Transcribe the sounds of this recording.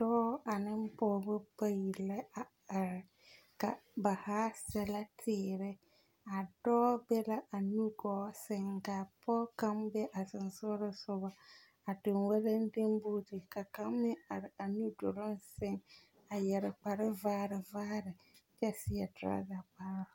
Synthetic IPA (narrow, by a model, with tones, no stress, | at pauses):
dɔː˦a˨nɪ˦m˦pɔ˦bʊ˦pa˦ji˨lɛ˦a˨ | a˨ɾɪ˨ | ka̰˨ba˨haː˦sɛ˦la˦tʰɪː˨˦ɾɪ˦ | a˨dɔː˦bɛ˦la˦ʔa˨nu˦ɡɔː˨˦sɪ˨ŋɡa˨pʰɔː˦ka˦mbɛ˦ʔa˨sɪ˨n˨sʊ˦ɾɪ˦sʊ˦ba˨ | a˨dɪ˨nwɛ˦le˦n˦de˦mbu˦tɪ˨ka˨ka˦mːɪ˦a˨ɾɪ˨a˨nu˦do˨lʊ˦nsɪ˦˨ŋ | a˨jɛ˨ɾɪ˨k͡pa˨ɾɪ˦vaː˦ɾɪ˨vaː˦ɾɪ˨ | d͡ʒɛ˦˨sɪ˦ɛ˨dɾa̰˦ɡa˨k͡paː˦ɾʊ˨